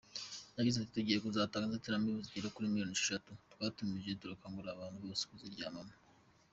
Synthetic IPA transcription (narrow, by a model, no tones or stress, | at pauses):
jaɡizetuteɡejekuzaːtaːŋɡazateɾamiβuziɟiɾokuɾimiɾjoniʃi̥ʃatutwaːtumiʒetuɾakaŋɡuɾaːβaːntuβo̞ːse̥kuziɾɟaːmama